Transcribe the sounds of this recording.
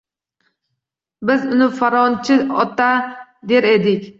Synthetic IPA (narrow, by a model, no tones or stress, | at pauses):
bɪzʊnɪfaɾɒnt͡ʃʰɪɔt̪ad̪eɾed̪ɪkʲ